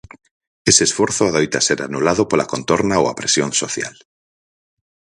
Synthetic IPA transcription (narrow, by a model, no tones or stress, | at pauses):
eseːsfwoɾθoaðojt̪aseɾanulaðopola̰kont̪oɾnaoapɾesjonsoθja̰l